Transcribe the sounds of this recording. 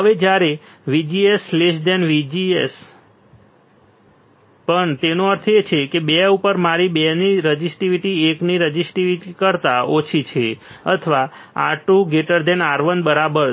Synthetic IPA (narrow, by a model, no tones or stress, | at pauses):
ɦəʋed͡ʒjaɾe | ʋid͡ʒieslesd̪ɛnʋid͡ʒies | pəɳt̪enõəɾt̪ʰet͡ʃʰekebɛupəɾmaɾibɛniɾəd͡ʒisʈiʋiʈiekniɾəd͡ʒisʈiʋiʈikəɾt̪aot͡ʃʰit͡ʃʰeə̰t̪ʰəʋa | a̰ʈuɡeʈəɾd̪ɛnaɾʋənbəɾabəɾ